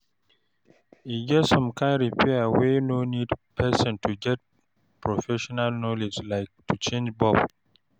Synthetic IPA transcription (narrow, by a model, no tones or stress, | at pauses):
iɡɛtsɔ̃mkʰãnɹipʰɛawenonidpʰɛsɔ̃ntʰuɡɛt̚ | pʰɹɔfɛʃɔnalnɔlid͡ʒlaɪk̚tʰut͡ʃẽnd͡ʒbɔb